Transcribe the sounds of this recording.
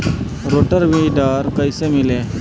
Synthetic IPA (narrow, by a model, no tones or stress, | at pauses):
ɾoʈəɾʋiɖaɾkəjsemile